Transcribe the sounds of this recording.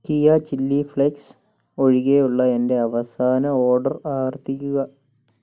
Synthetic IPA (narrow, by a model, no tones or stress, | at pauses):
kijɐt͡ɕilːifɭeks | o̞ɻiɣejuɭːɐe̞nde̞ɐʋɐsaːnɐo̞ːɖɐraːʋɐrt̪ikʲːuɣɐ